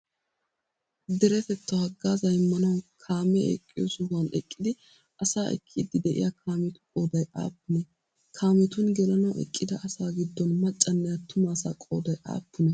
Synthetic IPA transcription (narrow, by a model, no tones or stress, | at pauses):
d̪ɛɾɛt̪ɛt̪ːɐhɐɡːaːzɐjɪmːɐnɐwkʰaːmɛɛ̰kʼːɪjosʊhʊɐnɛ̰kʼːɪd̪ɪ | ʔɐsaːʔɛ̰kʰːid̪ɪd̪ɛʔɪ̰jakʰaːmɛt̪ʊ̥kʼo̞ːd̪ɐjʔa̰ːpːɪnɛ | kʰaːmɛt̪ʊnɡɛlɐnɐwʔɛ̰kʼːɪd̪ɐʔɐsaːɡɪd̪ːɔnmɐt͡ʃʼːɐnːɛjat̪ʊmaːsaːkʼoːd̪ɐjʔa̰ːpːɪnɛ